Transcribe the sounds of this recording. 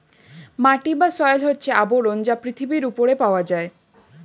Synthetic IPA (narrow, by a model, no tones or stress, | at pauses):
maʈibasɔjlɦotːt͡ʃʰeaboɾond͡ʒapɾit̪ʰibiɾupoɾepawad͡ʒae